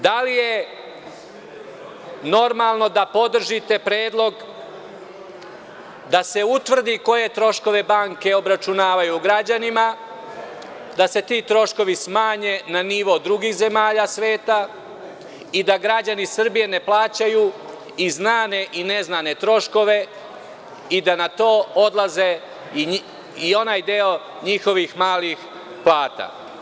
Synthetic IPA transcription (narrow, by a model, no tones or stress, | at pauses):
d̪alije̞ | no̞ɾmalˠno̞d̪apo̞d̪r̩ʒit̪e̞pɾeːd̪lˠo̞ɡ | d̪ase̞ut̪ʋr̩d̪iko̞je̞t̪ɾo̞ʃko̞ʋe̞baːŋke̞o̞bɾat͡ʃunaːʋajuɡɾad͡ʑanima | d̪ase̞t̪iːt̪ɾo̞ʃko̞ʋismaːɲe̞naniʋo̞d̪ɾuɡiːxze̞maːʎasʋe̞ːt̪a | id̪aɡɾad͡ʑanisr̩bije̞ne̞plˠaːt͡ɕaju | iznaːne̞ʔineznane̞t̪ɾo̞ʃko̞ʋe̞ | id̪anat̪o̞ːo̞d̪lˠaze | io̞naːjd̪eo̞ | ɲixo̞ʋixmaːlix | plˠaːt̪a̰